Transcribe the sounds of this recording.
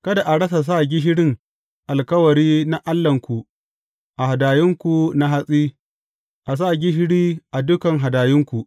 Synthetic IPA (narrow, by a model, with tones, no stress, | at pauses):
kɐ˦da˨ʔa˨ɽɐ˦s̬a˨s̬aː˦˨ɡʲɪ˦ɦɪ˦ɽɪ˦ŋ | ʔa˨lkɐ˦wɐ˨ɽiː˦na˦ʔa˦lːɐ˨ŋkʷu˨ | ʔa˨ha˨daː˨jɪ˦ŋkʷu˨na˦ɦa˦sʼiː˦ | ʔa˨s̬a˦˨ɡʲɪ˦ɦɪ˦ɽiː˦ʔa˨dʊ˦kɐ˨ŋɦa˨daː˨jɪ˦ŋkʷu˨ʔ